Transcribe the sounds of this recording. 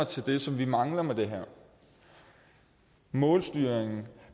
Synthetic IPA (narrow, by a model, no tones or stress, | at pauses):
t͡sʰe̝ld̥e̝sɒ̽mʋimɑ̈ŋlɐmed̥e̝ɦæɐ̰ | mɔ̽ːlsd̥yːɐ̰eŋn̩